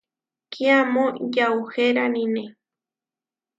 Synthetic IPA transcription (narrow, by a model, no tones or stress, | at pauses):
kʰiamõjauxeɾanĩnẽ